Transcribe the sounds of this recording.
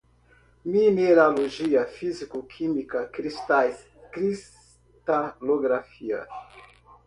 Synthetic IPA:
minelalod͡ʒiafizikokʰimikakɾista | kɾis | taloɡɾafia̰s

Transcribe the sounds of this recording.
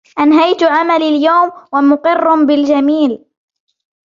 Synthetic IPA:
ʔanɦajt̪ʊʔamaliːljawmwamʊqɪrːʊbɪld͡ʒamiːl

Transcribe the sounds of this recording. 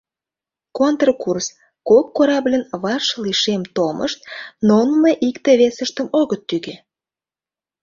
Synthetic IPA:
kont̪rkurs | kokːoɾɑblʲənβɑrʃliʃemt̪omʔə̰ʃt̪̚nonmeʔikt̪eβesəʃt̪əmoɣət̪ːyɣe

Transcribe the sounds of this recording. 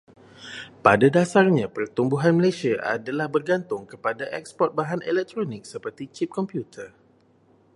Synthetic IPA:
padadasarɲãpərt̪umbuɦanməlasiaʔa̰dalahbərɡant̪ʊŋkəpadaʔɛ̰kspɔt̪̚baɦanʔɛlɛk̚t̪ɾonɪk̚səpərt̪it͡ʃip̚kɔmpjut̪ʰər

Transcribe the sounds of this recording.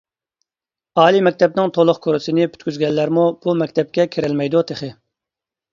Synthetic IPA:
ɑːlˠimɛk̚ʲt̪ʰɛp̚nɪŋt̪ʰolˠʊχkʰoɾɪsɪnɪpʰy̥t̪kʲyzɡʲɛlːæɾmub̥umɛkʲt̪ʰɛp̚kʲɛkʲʰeɾɛlmɛjd̪ut̪ʰeχɪ

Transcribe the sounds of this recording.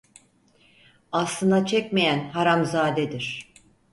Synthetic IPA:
aslˠɯnd̪at͡ʃʰɛc̚mejænɦaɾamzaːd̪ɛd̪iɾ̥

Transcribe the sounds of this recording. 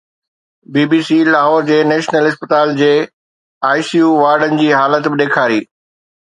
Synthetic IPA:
biːbiːsilaːɦɔːɾd͡ʑeːnɛːʃnəlɦɪspət̪aːld͡ʑeː | aːɪsijuːʋaːɾɖənɪ̆d͡ʑiːɦaːlət̪bɪɗ̪eːkʰaːɾiː

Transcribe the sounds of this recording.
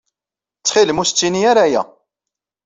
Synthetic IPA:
t͡sːχilmust͡sːiniaɾajæ̰

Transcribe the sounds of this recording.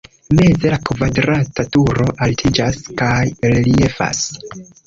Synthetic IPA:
me̞ze̞lakvadɾatatuɾo̞ʔaltʰid͡ʒaskajɾelie̞fa̰s

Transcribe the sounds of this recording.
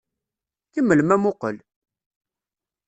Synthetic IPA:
kəmːəlmæmʊqəl

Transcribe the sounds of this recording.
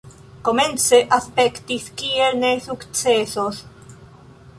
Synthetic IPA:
komenseʔaspekt̪iskieɾnesukt͡sesos

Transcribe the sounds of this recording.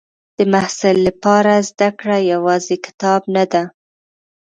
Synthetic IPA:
d̪̥əmahsɪlːapɑɾazd̪akɽajawɑzekɪ̥t̪ɑbnad̪a

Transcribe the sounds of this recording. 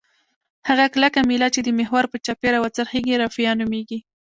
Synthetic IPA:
haɣaklakamilɑt͡ʃed̪əmɪɦwaɾpət͡ʃɑpeɾawat͡saɾxeɡiɾɑfijɑnumeɡi

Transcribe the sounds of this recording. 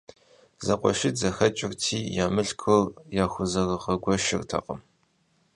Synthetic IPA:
zɐqʷɔ̰ʃizɐxɐt͡ʃʼɪrtʰiːjaːmɨɬkʷʰɨrjaːxʷʊzɐrɐʁɐɡʷɔʃɪ̰rtʰɐ̰qʼəm

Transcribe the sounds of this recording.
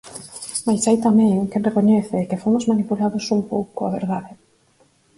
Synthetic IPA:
majsajt̪amɛ̃ŋkerekoɲɛθɪkefomozmanipulaðosumpowkʊaβeɾðaðɪ

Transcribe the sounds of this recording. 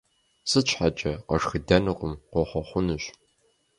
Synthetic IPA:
sɨt͡ʃʷʰħat͡ʃʼɐqɐʂxɨdɐnɨqʷʼʊmqʷɔχʷɔχʷʊnɨɕ

